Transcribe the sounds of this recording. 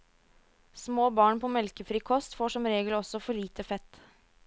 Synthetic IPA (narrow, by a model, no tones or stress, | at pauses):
smoːbɑːɳpʰɔːmɛlkəfɾiːkʰɔst̪foːʂɔmɾeːɡəlɔsɔfɔɭiːt̪əfɛt̪